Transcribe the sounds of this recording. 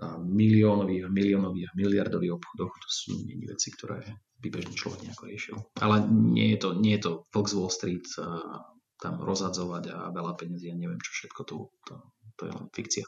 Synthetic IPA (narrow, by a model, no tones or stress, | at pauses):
amiliɔːnɔʋiːɦamiliɔːnɔʋiːɦmiliaɾd̪ɔʋiɣɔpxɔd̪ɔxt̪ɔ̥sṵːɲɛ̰ɲḭʋɛ̰t͡sikt̪ɔɾɛ̰ː | bibɛʒnit͡ʃlɔ̰ʋɛɡɲɛakɔɾɪɛʃḭlʔa̰lɛɲɛ̰jɛt̪ɔɲɪɛjɛt̪ɔʋl̩ɡzʋɔlst̪ɾiːt̪ | t̪amɾɔzɦad͡zɔʋaɟa̰ʋɛlapɛɲazijaɲɛʋɪɛmt͡ʃɔ̥fʃɛt̪kɔt̪ɔt̪ɔt̪ɔjɛ̰lɛ̰nfikt͡sia